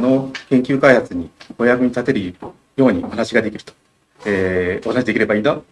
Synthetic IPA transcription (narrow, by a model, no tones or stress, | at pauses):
no̞kẽ̞ŋkʲɨːkaihat͡sɨɲ̟io̞jakɯ̟ɲ̟it̪at̪e̞ɾɯ̟ | jo̞ːɲ̟iohanaɕiɡad̪e̞kʲiɾɯ̥t̪o̥ | eːo̞hanaɕid̪ekʲiɾe̞baĩːnd̪a